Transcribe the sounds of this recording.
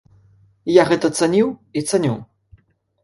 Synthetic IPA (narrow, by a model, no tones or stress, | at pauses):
jaɣɛt̪ɐt̪sanʲiwit̪sanʲu